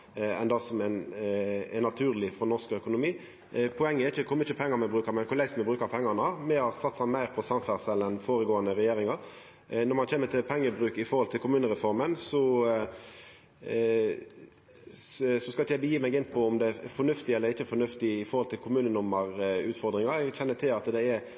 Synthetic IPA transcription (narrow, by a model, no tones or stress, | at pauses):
ɛ̰nd̪ɑsɔmɛn | ɛnɑt̪ʰʉːʁlɪfɔnɔskœkʊnʊmiː | pʰɔɛŋːəɛɾɪçəkʰʊɾmɪçəpʰɛŋːɑmɛbʁʉːkəɾmɛnkʰʊɾlæɪsmɛbʁʉːkəʁpʰɛŋːɑnəɑmɛhɑʁsɑt̪sɑnmæɪʁpʰɔsɑmfæʁsɛlɛnfoːɾəɡoːənəɾɛjeːɾɪŋɑɾ | nɔʁmɑnçeːmət̪ʰɪlpʰɛŋːəbʁʉːkɪfɔɾhɔlt̪ʰɪlkʊmʉːnəɾɛfɔɾmənsɔ | sɔskɑlɪçəjæɪbəjiːmæɪɡɪnpʰɔʊmd̪ɛfɔnʉft̪ɪɛlːəɾɪçːəfɔɾnʉft̪ɪɪfɔɾhɔlt̪ʰɪlkʰʊmʉːnənʊmːəɾʉːt̪fɔɾd̪ʁɪŋɑɛɡçɛnːət̪ʰɪlɑt̪d̪ɛɛɾ